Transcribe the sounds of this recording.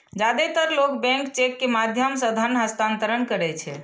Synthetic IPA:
d͡ʒad̪et̪əɾlokbɛ̃ŋkt͡ʃekːemad̪ʱjəmsəd̪ʱənɦəst̪ant̪əɾənkəɾɛt͡ʃʰɛ

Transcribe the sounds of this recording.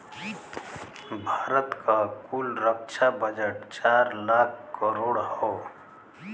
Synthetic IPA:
bʱaːɾət̪kakulɾəkʃʰabəd͡ʒəʈt͡ʃaːɾlaːkʰkəɾoːɽɦɔo

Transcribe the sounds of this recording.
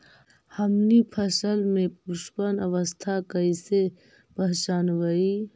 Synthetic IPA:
hɐmnipʰɐsəlmẽuspənɐʋəst̪ʰakəise | pɐɦt͡ʃaːnʋai

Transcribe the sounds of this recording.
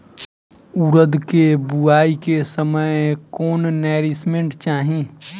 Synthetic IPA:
uɾəd̪kebuaːikesəməjkoːnnɛːɾismẽɳʈt͡ʃaːɦĩ

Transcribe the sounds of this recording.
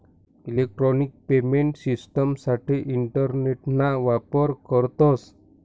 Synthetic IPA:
ilek̚ʈɾɔnik̚pemeɳʈsisʈəmsaʈiʔiɳʈəɾneʈnaʋapəɾkəɾt̪ɔs

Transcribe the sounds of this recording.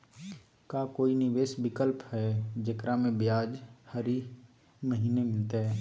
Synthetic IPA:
kaːkoːinɪʋeːsbɪkəlpɦɛd͡ʒɐkɾamẽbjaːd͡ʒhəɾi | məɦiːnemɪlt̪eɦɛː

